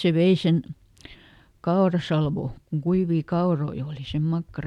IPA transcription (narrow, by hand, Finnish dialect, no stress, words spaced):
se ʋei sen kɑorɑsɑlʋoˑ kuŋ kuiʋiː kɑoroi oːli sem mɑkːɑrɑ